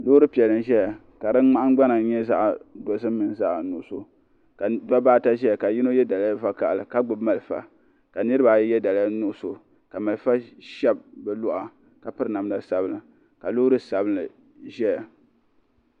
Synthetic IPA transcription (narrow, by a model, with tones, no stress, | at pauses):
lo˦ʊ˦ɾɨ˦pi˨ɛ˨lɨ˦nʒɛ˦ja˨ | ka˨dɨ˦nŋ͡ma˦ʔa˦ŋ˦ɡ͡ba˦na˨ɲɛ˦za˦ʔdo˨zɨ˦m̩ː˦ɨ˨n˨za˦ʔnu˨ʔʊ˦˨so˦ | ka˨da˦baː˦ta˦ʒɛ˦ja˨ka˨ji˦no˦jɛ˦da˨la˦va˦ka̰˨ʔlɨ˨ka˦ɡ͡bʊ˨bma˨lfa̰˨ | ka˨nɨ˦ɾɨ˦ba˨˦jɛ˦da˨la˦nu˦ʔʊ˦so˨ | ka˨ma˨lfa˦ʃɛ˦b̚bɛ˨lʊ˦ʔa˨ | ka˨pɨ˦ɾɨ˨na˨m˦da˦sa˨bɨ˦nɨ˨ | ka˨loː˦ɾɨ˦sa˨bɨ˦nɨ˨ | ʒɛ˦ja˨